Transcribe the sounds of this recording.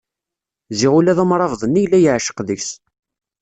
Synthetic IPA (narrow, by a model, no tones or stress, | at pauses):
ziʁulæðumɾˤɑvðˤənːijlːæjəʕʃə̥qðəçs